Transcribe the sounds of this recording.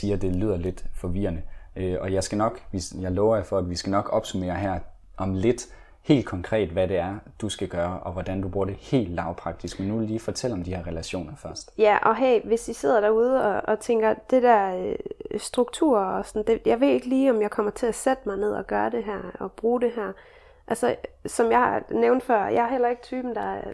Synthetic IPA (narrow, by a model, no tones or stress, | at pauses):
siːɐd̥e̝lyð̰ˠɐle̝d̥fɒ̽ʋiːɐnəøɒ̽jɑ̈ɪsɡ̥ænɒ̽ɡ̥ʋisjɑ̈ɪlɔʊɐjafɒ̽æd̥ʋisɡ̥ænɒ̽ɡ̥ɒ̽b̥sumḛːɐɦæɐ̰ | ʔɒ̽mle̝d̥ | he̝̰ːld̥̚kʰɒ̽ŋkʰʁɛ̰ːd̥ʋæɾe̝æɐd̥usɡ̥æɡ̥ɶːɐʔɒ̽ʋɒd̥ænd̥ub̥ʁuːɐɾ̥ehe̝̰ːld̥ːɑ̈ʊpʰʁɑ̈ɡ̥̚d̥isɡ̥menːuʋelliːfɒ̽t͡sʰel̰ɒ̽md̥ihɛ̰ɐʁɛlæɕo̝̰ːnɐfɶɐsd̥jæʔɒ̽ɦḛɪʋe̝sise̝ð̞̰ˠɐɾ̥æɐuð̞ˠəɒ̽ɒ̽t͡sʰeŋɡ̥ɐd̥e̝d̥æɐ̰øsd̥ʁuɡ̥̚t͡sʰṵɐ̰ɒsɒnd̥e̝jäɪʋe̝̰e̝ɡ̥əliːɒ̽mjɑ̈ɪkʰɒ̽m̰ɐt͡sʰe̝æsed̥mɑ̈ɪne̝ð̞̰ˠɒ̽ɡ̥ɶːɐd̥e̝ɦæɐ̰ɒ̽b̥ʁuːd̥e̝ɦæɐ̰ | ʔælsəsɒ̽mjɑ̈ɪhɑ̈neʊnd̥fɶɐ̰jɑ̈hɑhel̰ɐe̝ɡ̥ət͡sʰyːb̥n̩d̥ɑ̈